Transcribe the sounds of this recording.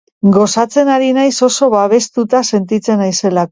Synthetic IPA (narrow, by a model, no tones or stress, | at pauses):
ɡo̞sat͡se̞naɾinajso̞so̞βaβe̞st̪ut̪ase̞nt̪it͡se̞najse̞lak